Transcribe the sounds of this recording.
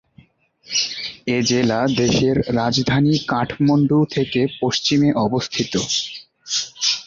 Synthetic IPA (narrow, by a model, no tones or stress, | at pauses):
ed͡ʑelad̪eʃeɾːad͡ʑd̪ʱanikaʈʰmoɳɖut̪ʰekepoʃt͡ɕimeʔɔbost̪ʰit̪o